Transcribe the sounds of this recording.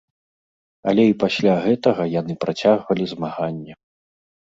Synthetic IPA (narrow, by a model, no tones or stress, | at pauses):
ɐ̰lʲɛipasʲlʲaɣɛt̪ɐɣɐjanɨpɾat͡sʲaɣvɐlʲizmaɣanʲːɛ